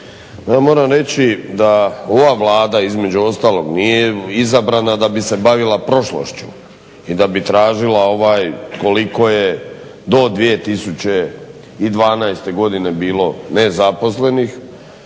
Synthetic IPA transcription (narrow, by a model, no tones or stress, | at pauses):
jamo̞ːɾamɾe̞t͡ɕid̪ao̞ʋaʋlˠaːd̪aizme̞d͡ʑuost̪aːlo̞ɡnijeizabɾanad̪abise̞baʋilapɾo̞ʃlo̰ʃt͡ɕu̥̰ | id̪abit̪ɾaːʒilao̞ʋaːjko̞liko̞je̞ | d̪o̞d̪ʋije̞t̪isut͡ɕe̞ | id̪ʋaːnajst̪e̞ɡo̞d̪ine̞biːlo̞nezapo̞sle̞nix